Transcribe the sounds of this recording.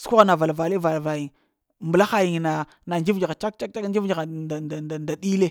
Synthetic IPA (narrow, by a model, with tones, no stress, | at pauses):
sku˦ɣa˦na˨va˨lva˨le˦va˨lva˨ji˨ŋ | mbə˨la˦xa˦ji˨ŋ˨na˨ | na˨nd͡ʒi˦vd͡ʒi˨ɣa˨t͡ʃa˦k̚t͡ʃa˦k̚a˦kn˦d͡ʒi˦vd͡ʒi˨ɣa˨a˨na˨nda˨di˦le˦